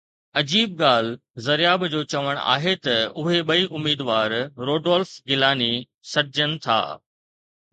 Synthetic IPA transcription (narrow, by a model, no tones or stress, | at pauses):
ɐd͡ʑiːb̚ɡaːl̤ | zɐɾɪjaːbd͡ʑoːt͡ɕɐʋəɽ̃a̰ːɦet̪ɐʊɦeɓɐiʔʊmiːd̪ʋaːɾɾoːɖɔːlfɡɪlaːni | sɐɾɪd͡ʑəñɪ̆t̪ʰa̰ː